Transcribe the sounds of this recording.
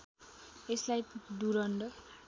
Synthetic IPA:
eslajd̪uɾʌɳɖʌ

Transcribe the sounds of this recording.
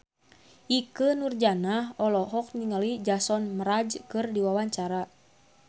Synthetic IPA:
ʔikənurd͡ʒanahɔlɔɦɔk̚niŋəlid͡ʒasɔnməɾad͡ʒkɨrdiwawaɲt͡ʃaɾa

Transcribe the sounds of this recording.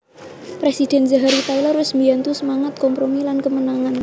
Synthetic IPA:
pɾesid̪̥ɛ̤nzaɦaɾit̪ailɔrʊsmbiant̪usəmaŋət̪̚kɔmpɾomilankəmənaŋan

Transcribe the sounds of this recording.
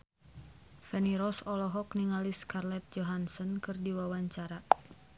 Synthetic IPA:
fɛniɾɔsɔlɔɦɔkniŋaliskarlɛt̪̚d͡ʒɔɦansɔnkɨrdiwawaɲt͡ʃaɾa

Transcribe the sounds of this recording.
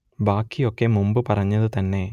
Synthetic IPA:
baːkːijo̞kːe̞mumbɨpɐrɐɲːɐðɨt̪ɐnːe̞

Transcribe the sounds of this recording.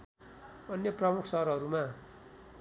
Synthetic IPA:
ʌnjʌprʌmukʰsʌɦʌɾɦʌɾuma

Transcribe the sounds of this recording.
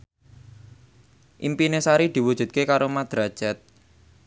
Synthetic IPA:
ʔimpinesaɾid̪̥i̤wud̥ʒ̥ṳt̪̚kekaɾomad̪̥ɾad̥ʒ̥at̪̚

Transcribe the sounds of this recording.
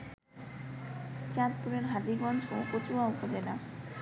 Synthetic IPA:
t͡ɕãt̪̚puɾeɾɦad͡ʑiɡɔnd͡ʑokot͡ɕuwaupod͡ʑena

